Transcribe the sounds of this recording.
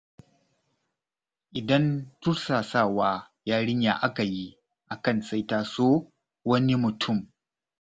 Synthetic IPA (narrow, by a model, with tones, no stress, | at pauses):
ʔɪ˨dɐ˦ntʊ˦ɾsaː˨saː˦˨waː˦ | jaː˦ɽɪ˦ɲja̰ː˨ʔa˦ka˨ji˦ | ʔa˨kɐ˦˨nsa˦jtaː˨soː˦ | wɐ˦ni˦mʊ˨tʰʊ˦˨m